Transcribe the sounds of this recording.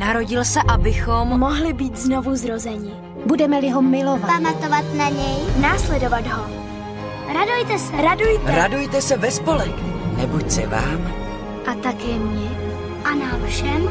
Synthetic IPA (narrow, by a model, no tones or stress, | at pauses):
naɾo̞ɟɪlsɛʔabɪxommo̞ɦlɪbiːt̪zno̞vuzɾo̞zɛɲɪ | budɛmɛlɪɦo̞mɪlo̞vapamat̪ovat̪naɲɛjnaːslɛdo̞vad̪ɦo̞ | ɾadujt̪ɛsɛɾadujt̪ɛɾadujt̪ɛsɛvɛspo̞lɛknɛbucsɛ̰va̰ːm | ʔat̪akjɛmɲɛ | ʔanafʃɛm